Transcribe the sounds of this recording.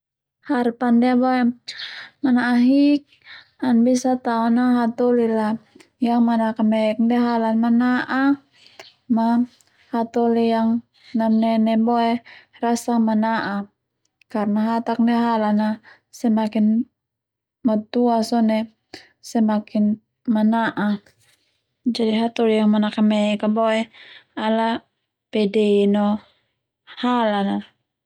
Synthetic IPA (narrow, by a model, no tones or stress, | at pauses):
harpandɛabɔɛ | manaʔaɦik̚ | anbisat̪aɔnaɦat̪ɔlila | jaŋmanakamɛk̚ndɛɦalanmanaʔa | ma | hat̪ɔlijaŋ | namnɛnɛbɔɛrasamanaʔa | karnaɦat̪ak̚nɛɦalana | sɛmakin | mat̪uasɔnɛ | sɛmakin | manaʔa | d͡ʒadiɦat̪ɔlijaŋmanakamɛkabɔɛala | pɛdɛinɔ | halana